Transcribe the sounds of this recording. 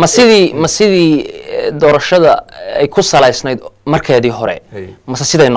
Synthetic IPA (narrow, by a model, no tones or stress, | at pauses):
mɐsɪðiːmɐsɪðiːd̪ɔːɾɐʃɐðɐɛjkʰʊsɐlɛjsnɛjd̪mɐrkʰɛːðiːɦɔɾɛ̰mɐsɛsɪðɛjn